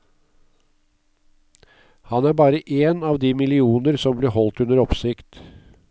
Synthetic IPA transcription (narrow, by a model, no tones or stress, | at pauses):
hɑnæːɾbɑːɾəʔeːnɑːʋd̪iːmɪlɪuːnəɾsɔmbliːhɔlt̪ʉnəɾɔpsɪkt̪